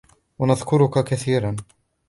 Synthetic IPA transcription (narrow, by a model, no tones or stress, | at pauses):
wanaðkʊɾʊkakaθiːɾan